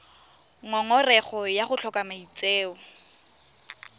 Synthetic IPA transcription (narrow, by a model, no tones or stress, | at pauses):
ŋɔŋɔrɛχɔjaχʊt͡ɬʰɔkʼamait͡sʼeːʊ